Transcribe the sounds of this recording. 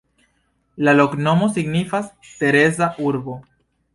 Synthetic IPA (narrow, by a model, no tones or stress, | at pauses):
laloknomosiɡnifas | t̪e̞ɾezaʔuɾβo